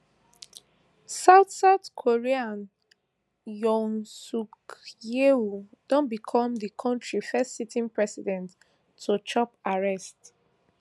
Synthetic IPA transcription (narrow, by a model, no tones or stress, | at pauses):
saʊtsaʊtkʰoɹiãn | jɔ̃nsukeud̥ɔ̃nbikʰɔ̃mðikʰɔ̃ntɹifɛstsitʰĩŋpɹɛsidɛ̃ntʰː | ut͡ʃɔpaɹɛst